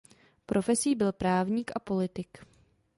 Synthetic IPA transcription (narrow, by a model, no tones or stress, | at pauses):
pɾʔo̞fɛsiːbɪlpɾaːvɲiːkʔapo̞lɪt̪ɪk